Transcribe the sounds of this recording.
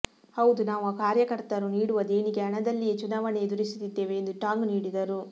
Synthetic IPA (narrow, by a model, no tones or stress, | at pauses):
hɐwud̪unaːʋuaːkaːɾjɐkɐɾt̪ɐɾuniːɽuʋɐd̪e̞ːniɡe̞ɐɳɐd̪ɐlːiet͡ʃunaːʋɐneːd̪uɾisu̥t̪id̪ːe̞ːʋeːnd̪uʈaːŋɡniːɽid̪ɐɾu